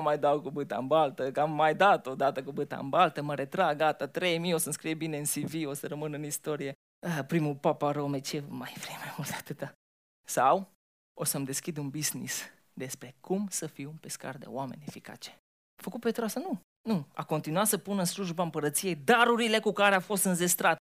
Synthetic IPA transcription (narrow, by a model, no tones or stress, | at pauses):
majd̪awkubɨt̪a̰ɨmbalt̪əkamːajd̪at̪o̞d̪at̪əkubɨt̪a̰ɨmbalt̪əməɾe̞t̪ɾaɡat̪at̪ɾejmijosənskɾijebine̞ɨnsivio̞səɾəmɨnɨnist̪o̞ɾije̞ | əpɾimupapaɾomet͡ʃemajfɾimajmult̪at̪ɨt̪a | saw | osəmd̪e̞skʲid̪unbiznḭs | d̪e̞spɾe̞kumsəfiunpe̞ska̰rd̪e̞̰oame̞̰nʲe̞fika̰t͡ʃe̥ | fəkut̪pet̪ɾasənu | nua̰ko̞nt̪inuat̪səpunɨnsluʒbaɨmpəɾət̪sije̞jd̪aɾuɾile̞kukaɾeafo̞st̪ɨnze̞st̪ɾat̪